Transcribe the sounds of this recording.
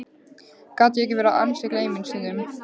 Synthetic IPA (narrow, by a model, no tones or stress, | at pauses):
kat̪ɪɛcːɪvɛːɾaʔa̰nsɪkleːjmɪnsinðʏm